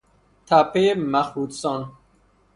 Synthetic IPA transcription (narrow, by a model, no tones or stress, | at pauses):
t̪ʰapemæxuːd̪sɔn